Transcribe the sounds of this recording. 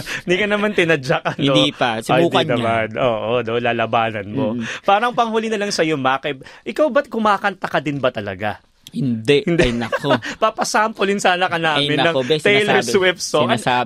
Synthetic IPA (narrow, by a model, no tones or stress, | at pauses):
ɪnd̪iːkɐnɐmant̪ɪnɐd͡ʒak̚ɐnod̪ipɐsajuːkɐnɐmad̪ʔoːʔonolaːlɐbaːnɐnmopaːɾɐŋpɐŋhuːlɪnɐlɐŋsɐjomakɛbʔɪkawbɐt̪̚kʊmaːkɐnt̪ɐkɐd̪ɪnbɐt̪ɐlɐ̰ɡa | hɪnd̪ɛʔhɪnd̪ɛjnɐkopapɐsaːmpolɪnsaːnɐkɐnaːmɪnɐŋɛjlɛɹswɪft̪soɐa